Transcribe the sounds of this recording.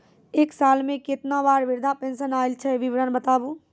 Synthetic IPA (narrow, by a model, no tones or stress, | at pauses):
eːksaːlmẽkɪt̪nabaːɾʋɪɾd̪ʱapẽːnʃənaːɪlt͡ʃʰɛʋɪʋɾəːnbət̪aːbu